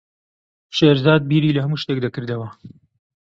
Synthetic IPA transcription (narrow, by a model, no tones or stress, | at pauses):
ʃeːɾzaːd̪̚biːɾiːlɐɦɐmuːʃt̪ekd̪akɨɾd̪ɐwɐ